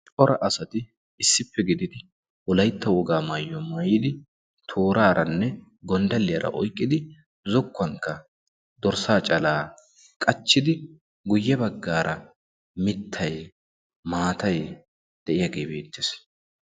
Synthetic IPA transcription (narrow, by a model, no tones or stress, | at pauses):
t͡ʃʼɔɾɐʔɐsɐt̪ɪː | sːɪpːɛɡɪd̪ɪd̪ɪ | wɔlɐjt̪ːɐwɔɡaːmajːɔmaːjɪd̪ɪ | t̪ʰoːɾaːɾɐnːɛ | ɡɔnd̪ɐlːɪjɐɾɐ̰ʔɔjkʼːɪd̪ɪ | zɔkːɐŋkːɐ | d̪̥ɔɾsaːt͡ʃʼɐlaː | kʼɐt͡ʃːɪd̪ɪ | ɡʊjːɛbɐɡːaːɾʔɐ | mɪt̪ʰːɐj | maːt̪ɐj | d̪̥ɛʔɪjɐɡe̞ːbe̞ːt̪ːɪs